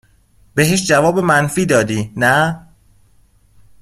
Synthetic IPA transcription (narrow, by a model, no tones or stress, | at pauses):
be̞ɦeʃd͡ʒævɒːbemænfiːd̪ɒːd̪iːnæ